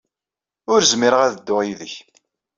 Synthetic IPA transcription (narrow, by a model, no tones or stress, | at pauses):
ʊɾzmiɾəʁæðd̪ːʊʁiðəç